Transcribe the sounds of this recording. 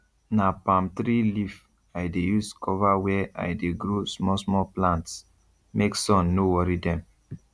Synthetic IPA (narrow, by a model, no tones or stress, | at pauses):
napãmtɾilif | ajdejuskʰɔvawɛʔa̰jdeɡɾosmɔsmɔplãnts | meksɔ̃nːowɔɾidɛ̃m